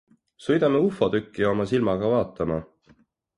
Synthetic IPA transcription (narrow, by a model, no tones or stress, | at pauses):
sɤjd̪̥ɑmeufˑod̪ykːio̞mɑsilmɑɡɑvɑːt̪ːˑɑmɑ